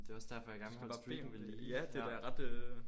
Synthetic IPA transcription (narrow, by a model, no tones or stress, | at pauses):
d̥e̝ɒ̽sd̥æɐfɒjɑ̈ɡæɐnʋb̥ɑ̥̈ḛːmʋeliæd̥e̝æɐʁɑ̈d̥ø